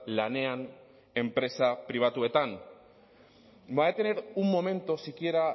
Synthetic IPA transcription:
lane̞an | e̞mpɾe̞sapɾiβ̞at̪ue̞t̪an | baet̪eneɾumːo̞me̞nt̪osikie̞ɾa

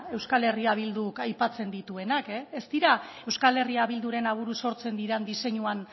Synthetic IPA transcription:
e̞wskale̞riaβ̞ild̪ukajpat͡se̞nd̪it̪ue̞nakeest̪iɾae̞wskale̞riaβild̪uɾe̞naβ̞uɾuso̞ɾt͡se̞nd̪iɾand̪ise̞ɲuan

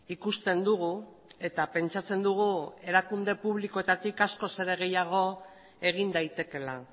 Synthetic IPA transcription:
ikust̪e̞nd̪uɣ̞u | e̞t̪ape̞nt͡ʃat͡se̞nd̪uɣ̞ue̞ɾakund̪e̞puβliko̞e̞t̪at̪ikasko̞se̞ɾe̞ɣe̞jaɣ̞o̞ | e̞ɣ̞ind̪ajt̪e̞ke̞la

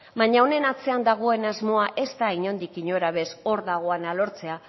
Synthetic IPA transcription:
βaɲaone̞nat͡se̞and̪aɣ̞o̞e̞nazmo̞aʔe̞st̪aiɲo̞nd̪ikiɲo̞ɾaβe̞so̞ɾðaɣ̞o̞analo̞ɾt͡se̞a

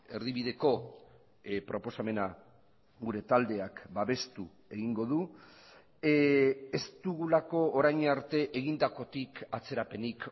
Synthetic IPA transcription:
e̞ɾðiβiðe̞ko̞ | pɾo̞po̞same̞na | ɣuɾe̞t̪ald̪e̞akbaβe̞st̪u | e̞ɣiŋɡo̞ðu | est̪uɣulako̞ːɾajɲaɾt̪e̞ʔeɣind̪ako̞t̪ikat͡se̞ɾape̞nik

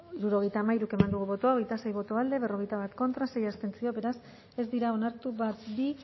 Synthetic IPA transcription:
ɾuɾo̞ɣejt̪aːmajɾuke̞mand̪uɣuβo̞t̪oao̞ɣe̞jt̪ase̞jβo̞t̪o̞ald̪e̞βe̞ro̞ɣe̞jt̪aβat̪ko̞nt̪ɾase̞jast̪e̞nt͡sio̞βe̞ɾas | e̞zd̪iɾao̞naɾt̪uβat̪bi

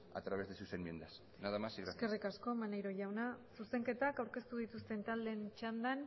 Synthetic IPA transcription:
a̰t̪ɾaβezðesusenmiend̪as | naðamasiɣɾasekerikasko̞manejɾo̞ʝawnasuse̞ŋke̞t̪akawɾke̞st̪uð̞it̪ust̪e̞nt̪ald̪e̞nt͡ʃand̪an

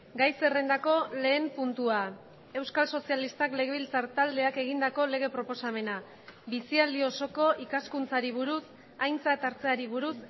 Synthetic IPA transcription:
ɡajse̞re̞nd̪ako̞le̞ːmpunt̪ua | e̞wskalso̞sialist̪akle̞ɣ̞e̞βilt͡saɾt̪ald̪e̞ake̞ɣ̞ind̪ako̞le̞ɣ̞e̞pɾo̞po̞same̞na | βisiald̪io̞so̞ko̞ʔikaskunt͡saɾiβuɾus | ajnt͡sat̪aɾt͡se̞aɾiβ̞uɾus

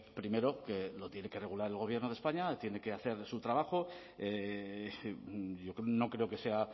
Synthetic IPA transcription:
pɾime̞ɾo̞ke̞lo̞t̪je̞ne̞kere̞ɣ̞ulaɾe̞lɣ̞o̞β̞je̞ɾnoe̞spaɲat̪je̞ne̞ke̞aθe̞ɾsut̪ɾaβ̞axo̞ | e | jo̞kno̞kɾe̞o̞ke̞se̞a

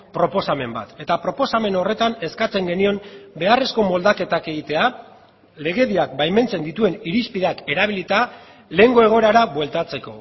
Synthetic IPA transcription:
pɾo̞po̞same̞mba̰t̪e̞t̪apɾo̞po̞same̞no̞re̞t̪ane̞skat͡se̞ŋɡe̞nio̞mbe̞are̞sko̞mo̞ld̪ake̞t̪ake̞ɣit̪e̞a | le̞ɣe̞ðiakbajme̞nt͡se̞nd̪it̪ue̞niɾispiðeake̞ɾaβ̞ilit̪a | le̞ŋɡo̞e̞ɣ̞o̞eɾaɾabwe̞lt̪at͡se̞ko̞

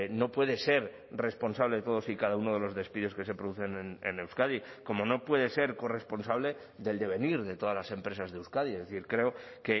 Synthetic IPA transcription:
no̞pwe̞ðe̞se̞ɾ | re̞spo̞nsaβleðet̪o̞ð̞o̞sikaðauno̞ð̞e̞lo̞zðe̞spiðoske̞se̞pɾo̞ðuθe̞nenḛne̞wskaði | ko̞mo̞no̞pwe̞ðe̞se̞ɾko̞re̞spo̞nsaβle̞ | ðe̞ld̪e̞β̞e̞niɾðe̞t̪o̞ðazlase̞mpɾe̞sazðewskaðiezðeθiɾkɾe̞oke̞

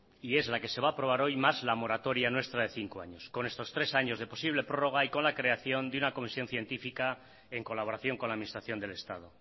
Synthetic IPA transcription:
ie̞zlake̞se̞β̞aːpɾo̞βaɾo̞jmazlamo̞ɾat̪o̞ɾjanwe̞st̪ɾaðe̞θiŋkoaɲosko̞ne̞st̪o̞st̪ɾe̞saɲo̞zðe̞po̞siβ̞le̞pɾo̞ro̞ɣ̞aiko̞nlakɾe̞aθjo̞nd̪unako̞misjo̞nθje̞nt̪ifika | e̞ŋko̞laβo̞ɾaθjo̞ŋkolaːðminist̪ɾaθjo̞nd̪e̞le̞st̪aðo̞

